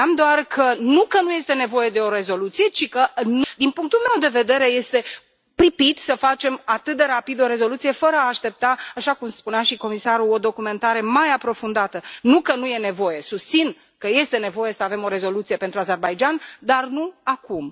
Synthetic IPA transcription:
amd̪oarkʰənukənuje̞st̪e̞ne̞vo̞je̞d̪e̞o̞ɾe̞zo̞lut̪sije̞t͡ʃikənd̪inpuŋk̚t̪ulme̞wd̪e̞ve̞d̪e̞ɾe̞je̞st̪e̞ | pɾipit̪səfat͡ʃe̞mat̪ɨt̪̚d̪e̞ɾapid̪o̞ɾe̞zo̞lut̪sije̞fəɾəaːʃt̪e̞p̚t̪aːʃakumspuneaʃiko̞misaɾuo̞d̪o̞kume̞nt̪aɾe̞majapɾo̞fund̪at̪ənukənuje̞ne̞vo̞je̞sust̪sin | kəje̞st̪e̞ne̞vo̞je̞səave̞mo̞ɾe̞zo̞lut̪sije̞pe̞nt̪ɾuaze̞rbajd͡ʒand̪arnuakum

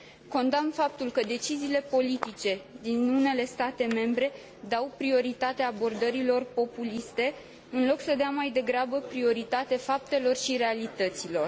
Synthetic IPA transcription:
ko̞nd̪amfap̚t̪ulkəd̪e̞t͡ʃiziːle̞po̞lit̪it͡ʃe̞d̪inune̞le̞st̪at̪e̞me̞mbɾe̞ | d̪awpɾio̞ɾit̪at̪eaːbo̞rd̪əɾilo̞rpo̞pulist̪e̞ | ɨnlo̞ksəd̪eamajd̪e̞ɡɾabəpɾio̞ɾit̪at̪efap̚t̪e̞lo̞rʃiɾe̞alit̪ət̪silo̞r

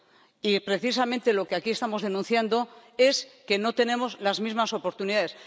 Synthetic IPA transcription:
ipɾe̞θis̬amẽ̞nt̪e̞lo̞keakiest̪amo̞zðe̞nũnθjand̪o̞e̞ske̞no̞t̪e̞nẽ̞mo̞zlazmizmaso̞po̞ɾt̪uniðaðe̞s

